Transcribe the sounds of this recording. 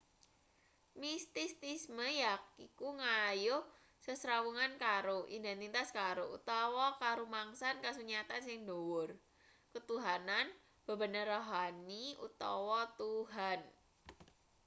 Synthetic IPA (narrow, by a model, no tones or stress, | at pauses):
mist̪ist̪isməjakikuŋajʊ | səsɾawuŋankaɾoʔḭnd̪ent̪it̪askaɾoṵt̪ɔwɔkaɾumaŋsankasuɲat̪ansɪŋdowʊr | kət̪uɦanan | b̥ə̤bənəraɦaniṵt̪ɔwɔt̪uɦan